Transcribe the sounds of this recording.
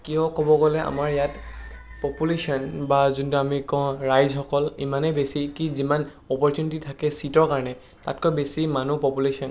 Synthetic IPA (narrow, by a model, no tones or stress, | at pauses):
kijɔkɔbɔɡɔlɛʔa̰maɹjatpɔpulesɔnbazuntuamikɔ̃ɹajzɦɔkɔlḭmanebesikiziman | ɔpɔɹtjunititʰakɛsitɔɹkaɹɔnɛ | ta̰tkɔbesimanupɔpulesɔn